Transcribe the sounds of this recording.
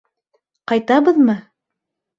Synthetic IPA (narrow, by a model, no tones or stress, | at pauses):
qɑjt̪ɑbɤðmɤ